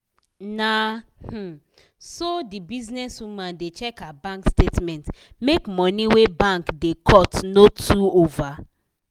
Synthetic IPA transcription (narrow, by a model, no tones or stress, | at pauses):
nah̩ | sodibiznɛswumãndet͡ʃɛkabãŋkstetmɛ̃nt | mekmɔ̃niwebãŋkdekʰɔtnotʰuova